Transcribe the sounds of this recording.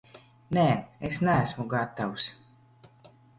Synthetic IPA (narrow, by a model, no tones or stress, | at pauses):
neɛːesnææsmuɡat̪ːaws